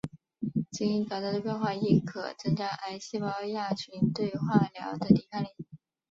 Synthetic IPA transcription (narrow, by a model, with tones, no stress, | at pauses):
t͡si˧˥i˧˥ŋt͡sɑ˨˩ʊɑ˥˩d̪ə˧˩pʰjɑ˥xwa˥˧i˥˩kʰɤ̰˨˩t͡sɤ˥ŋt͡ɕja˥ʔa˥ɪɕi˥˩pɑ˥ʊja˥˩t͡ɕʰy˧˥nt̪we˥˧ɪxwa˥˩ljɑ˧˥ʊd̪ə˧t̪i˨˩kʰa˥li˨˧˩